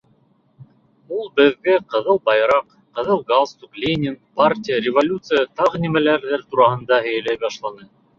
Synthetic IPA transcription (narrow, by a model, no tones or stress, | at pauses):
ulˠbɘ̆ðɡɘqɤ̆ðɤlˠbɑjɾɑq | qːɤ̆ðɤlˠɡalˠst̪uklʲenʲɪnpartʲijəɾʲɪvolʲut̪sɨjət̪ɑʁɤnimælæɾðæɾt̪uɾɑɦɤ̆nd̪ɑɦɘ̆jælæjbɑʃlˠɑnɤ